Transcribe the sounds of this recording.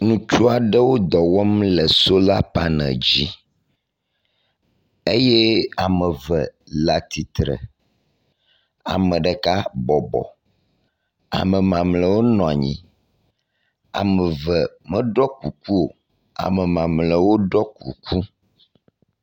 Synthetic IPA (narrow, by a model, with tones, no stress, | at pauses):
nũ˨t͡ʃu˦a˨ɖə˦wo˦d̪ɔ˨wɔ˦mlɛ˨so˦la˦pa˦nə̰̃˨d͡ʑi˦ | e˦jɛ˦a˨mɛ̃˨və˨ | la˨t̪i˨t̪ɾə̰˨ | a̰˨mɛ̃˨ɖɛ˨ka˦bɔ˨bɔ̰˨ | a̰˨mɛ̃˨mã˨mlə˨wo˦nɔ̃˨a˨ɲḭ̃˨ | a̰˨mɛ̃˨və˨ | mə̃˦ɖɔ˦ku˨ku˦o˨ | a̰˨mɛ˨mã˨mlə˨wo˦ɖɔ˦ku˨ku˦